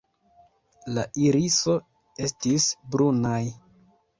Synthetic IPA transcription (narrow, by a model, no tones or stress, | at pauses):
laʔiɾiso̞ | e̞stisbɾunaj